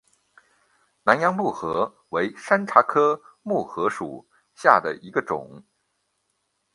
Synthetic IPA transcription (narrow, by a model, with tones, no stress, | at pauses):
na˧˥njɑ˥ŋmu˥˩xɤ˧˥ | we˧˥ɪʂa˥nʈ͡ʂʰa˧˥kʰɤ˥ | mu˥˩xɤ˧˥ʂṵ˨˩˦ | ɕja˥˩d̪ə̰˩ʔi˧˥ɡə˧ʈ͡ʂʊ̰˨˩˦ŋ